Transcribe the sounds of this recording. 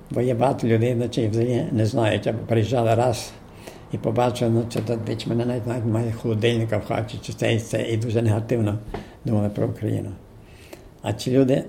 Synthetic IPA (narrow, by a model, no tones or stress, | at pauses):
bɔjɛbɐɦɑt̪ɔlʲʊd̪ɛjnɔt͡ʃɛjwzelʲinɛznɑjʊtʲɐbɔpɾejiʒɑlˠɪɾɑs | ipɔbɑt͡ʃɪlˠnɔt͡ʃɛt̪ɔd̪ʋʲit͡ʃmɛnɛnaʋʲitʲnaʋʲitʲmɑjɛxɔlˠɔd̪ɪlʲnɪkɐwxa̰t͡ʃɪt͡ʃɪsɛit͡s̪ɛ̰ʔid̪uʒɛneɦɐt̪ɪwnɔd̪umɐlˠɪpɾɔ̰ʊkɾɐ̰jḭnʊ | ɐ̰t͡s̪ʲilʲud̪ɪ